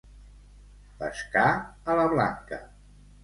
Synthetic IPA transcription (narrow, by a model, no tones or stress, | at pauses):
bə̰skaələβla̰ŋkə̰